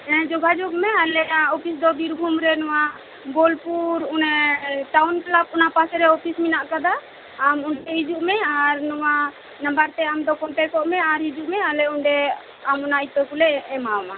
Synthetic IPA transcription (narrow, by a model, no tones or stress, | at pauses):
ɛnd͡ʒɔɡʱad͡ʒɔɡmɛalɛaɔpʰisd̪ɔbiɾbʱumɾɛnɔwa | bɔlpuɾunɛʈawnklab̚unapasɛɾɛɔpʰisminaʔkad̪aː | muɳʈɛɦid͡ʒuʔmɛaɾnɔwa | nãmbaɾt̪ɛamd̪ɔkɔɳʈɛkɔʔmɛaɾɦid͡ʒuʔmɛalɛuɳɖɛ | amɔnait̪ɔkulɛɛmaɔma